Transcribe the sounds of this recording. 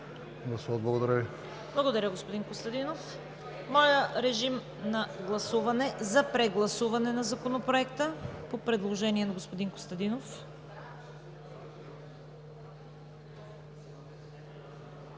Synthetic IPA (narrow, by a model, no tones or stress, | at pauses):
ɡˠɐsuɐd̪̚blˠɐɡod̪ɐɾəvi | blˠɐɡod̪ɐɾʲəɡospod̪inkost̪ɐd̪inof | mɔjəɾɛʒim | nɐɡlˠɐsuvɐnɛzɐpɾɛɡlˠɐsuvɐnɛnɐzɐkonopɾoɛkt̪əpopɾɛd̪lˠoʒɛniɛnɐɡospod̪inko̥st̪ɐd̪inof